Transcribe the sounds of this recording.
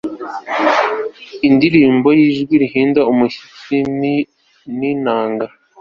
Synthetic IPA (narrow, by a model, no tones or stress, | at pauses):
indiɾiːmbo̞jiːʒɡwiɾihiːndaumuhi̥t͡si | ninaːŋɡa